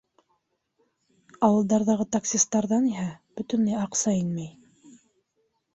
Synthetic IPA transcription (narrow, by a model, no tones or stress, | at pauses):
ɑwɤ̆lˠd̪ɑɾðɑʁɤt̪aksʲist̪ɑɾðɑniɦæb̥ɵt̪ɵ̆nlæjɑqsɑinmæj